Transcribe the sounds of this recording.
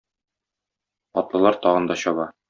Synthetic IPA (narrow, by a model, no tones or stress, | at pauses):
ɒt̪lˠɤ̆lˠɑɾt̪ɒʁɤ̆nd̪ɒɕɒβɑ